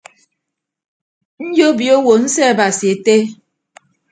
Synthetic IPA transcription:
n̩˦d͡ʒo˦bjo˦wo˨n̩˦sɛ˦˨ba˨si˨e˨te˦

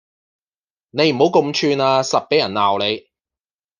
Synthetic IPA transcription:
ne˨˧jm̩˨˩ho˨˥wko˧mt͡ʃʰyː˧naː˧sɐ˨t̚pe˨˥jɐ˨˩nlaː˨˩wle˨˧j

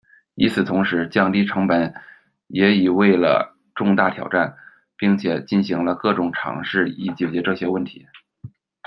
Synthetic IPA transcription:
i˧˥t͡sʰɹ̩˨˩t̪ʰʊ˧˥ŋʂɻ̩˧˥t͡ɕjɑ˥˧ŋt̪i˥˩ʈ͡ʂʰɤ˧˥ŋpə˧˩˦n | jɛ˧˥i˨˩we˥˩ɪlə̰˩ | ʈ͡ʂʊ˥˧ŋt̪a˥˩t̪ʰjɑ̰˨˩ʊʈ͡ʂa˥˩n | pi˥˩ŋt͡ɕʰjɛ˨˩t͡ɕi˥˩nɕi˧˥ŋlə˧kɤ˥˩ʈ͡ʂʊ˨˩ŋʈ͡ʂʰɑ̰˧˥ŋʂɻ̩˥˩i˨˩t͡ɕjɛ˨˩t͡ɕjɛ˧˥ʈ͡ʂɤ˥˩ɕjɛ˥wə˥˩nt̪ʰḭ˧˥

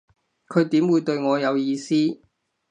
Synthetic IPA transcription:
kʰɵ˨˧ɥt̪iː˨˥mwuː˨˧jt̪ɵ˧ɥŋɔː˨˧jɐ˨˧wjiː˧siː˥

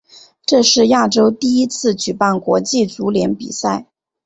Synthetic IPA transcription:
ʈ͡ʂɤ˥˧ʂɻ̩˥˧ja˥˩ʈ͡ʂo˥ʊt̪i˥˩i˥t͡sʰɹ̩˥˩t͡ɕy˨˩pa˥˩nkwɔ˧˥t͡ɕi˥˩t͡su˧˥ljɛ˧˥npḭ˨˩sa˥˩ɪ

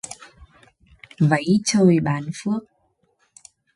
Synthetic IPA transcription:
və˧˦jt͡ɕo˧˩jɓaː˨˩nfɨ˦˥ək̚

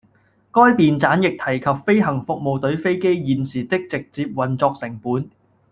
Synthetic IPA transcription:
kɔː˥jpiː˨nt͡saː˨˥njɪ˨k̚t̪ʰɐ˨˩jkʰɐ˨pfe˥jɦɐ˨˩ŋfʊ˨k̚mo˨wt̪ɵ˨˥ɥfe˥jke˥jjiː˨˩nsiː˨˩t̪ɪ˥k̚t͡sɪ˨k̚t͡siː˧p̚wɐ˨nt͡sɔː˧k̚sɪ˨˩ŋpuː˨˥n

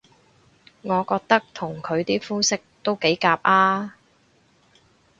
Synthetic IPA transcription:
ŋɔː˨˧kɔː˧k̚t̪ɐ˥k̚t̪ʰʊ˨˩ŋkʰɵ˨˧ɥt̪iː˥fuː˥sɪ˥k̚t̪o˥wke˨˥jkaː˧p̚ʔaː˥

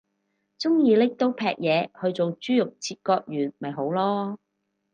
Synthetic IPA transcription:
t͡sʊ˥ŋjiː˨˧lɪ˥k̚t̪o˥wpʰɛː˧k̚jɛː˨˧hɵ˧ɥt͡so˨wt͡ʃyː˥jʊ˨k̚t͡sʰiː˧t̚kɔː˧k̚jyː˨˩nmɐ˨jɦo˨˥wlɔː˥

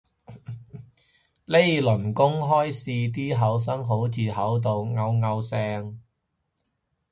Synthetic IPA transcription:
le˥jlɵ˨˩nkʊ˥ŋɦɔː˥jsiː˧t̪̬iː˥ɦɐ˨˥ws̬ɐ˥ŋɦo˨˥wt͡siː˨hɐ˨˥wt̪̬o˨wŋɐ˧wŋɐ˧wsɛː˧ŋ

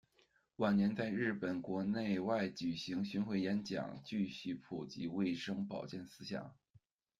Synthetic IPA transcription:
wa˨˩nnjɛ˧˥nt͡sa˥˧ɪɻɻ̩˥˩pə˨˩nkwɔ˧˥ne˥˧ɪwa˥˩ɪt͡ɕy˨˩ɕi˧˥ŋɕy˥nxwe˥˩ɪjɛ˧˥nt͡ɕjɑ̰˨˩ŋt͡ɕy˥˧ɕy˥˩pʰu˨˩t͡ɕḭ˧˥we˥˩ɪʂɤ˥ŋpɑ˨˩ʊt͡ɕjɛ˥˩nsɹ̩˥ɕjɑ̰˨˩˦ŋ

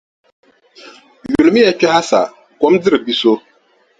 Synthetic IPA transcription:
jju˨lmi˦jɛ˨t͡ʃa˦a˦sa̰˨ | kɔ˦mdɪ˦ɾɨ˨bi˦so˦

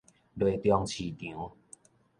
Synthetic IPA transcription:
dwe˨t̪jɔ˧ŋt͡ɕʰi˨˩t̪jũ˨˦

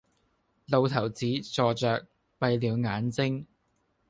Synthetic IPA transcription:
lo˨˧wt̪ʰɐ˨˩wt͡siː˨˥t͡sɔː˧t͡ʃœː˨˧k̚ | pɐ˧jliː˨˧wŋaː˨˥nt͡sɪ˥ŋ

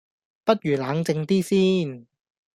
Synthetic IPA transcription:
pɐ˥t̚jyː˨˩laː˨˧˥ŋt͡sɪ˧ŋt̪iː˥siː˥n

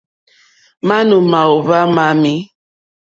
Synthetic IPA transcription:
ma˦nu˨ma˨o˨va˦ma˨mi˦

